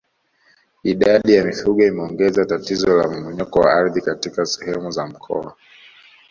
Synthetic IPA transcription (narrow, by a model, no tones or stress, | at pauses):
iɗaɗijamifuɠɔimɛɔŋɡɛzatatizɔla̰m̩mɔɲɔkɔwa̰aɾðikatikasɛ̥hɛmuzam̩kʰɔ̰a̰